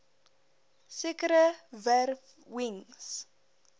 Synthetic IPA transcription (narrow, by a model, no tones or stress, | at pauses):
sekəɾəvær | wiŋs